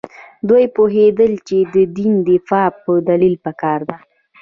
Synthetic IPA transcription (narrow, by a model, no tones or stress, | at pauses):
d̪ujpoɦed̪əlt͡ʃed̪əd̪ind̪ɪfɑpəd̪alilpakɑɾd̪a